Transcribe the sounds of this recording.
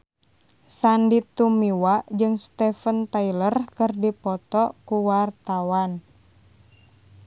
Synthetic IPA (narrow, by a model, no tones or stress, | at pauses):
sandit̪umiwad͡ʒɨŋst̪ɛfənt̪ailərkɨrdipɔt̪ɔkuwart̪awan